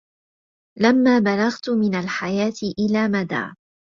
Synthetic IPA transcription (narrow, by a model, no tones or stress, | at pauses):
lamːaːbalaɣt̪mɪnalħajaːt̪ɪʔɪlaːmad̪a̰ː